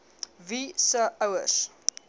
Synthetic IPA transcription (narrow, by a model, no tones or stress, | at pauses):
visəɐwə̰rs